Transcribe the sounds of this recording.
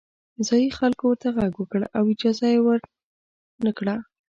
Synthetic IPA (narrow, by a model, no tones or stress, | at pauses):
zɑjixalkowəɾt̪aɣaɡwəkəɽʔawɪd͡ʒɑzajewəɾ | nakɽa